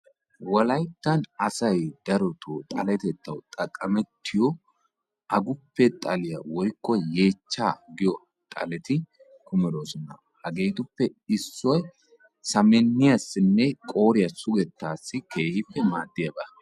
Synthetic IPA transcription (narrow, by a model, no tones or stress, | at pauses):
wɐlɐjt̪ːɐnɐsɐjd̪ɐɾɔt̪ʰot̪ʼɐlɛt̪ɛt̪ːɐwt̪ʼɐkʼːɐmɛt̪ːɪjɔ | ʔɐɡʊpːɛt̪ʼɐlɪjɐwɔjkːɔje̞ːt͡ʃːaːɡɪjɔ | t̪ʼɐ̰lɛt̪ɪ | kʊmɛd̪oːsɔnɐ̰ | hɐɡeːt̪ʊpːɛɪsːɔj | sɐmɛnːɪjɐsːɪnːɛkʼo̞ːɾɪjɐsʊɡɛt̪ːaːsːɪkʰe̞ːhɪpːɛmaːd̪ːɪjɐbɐ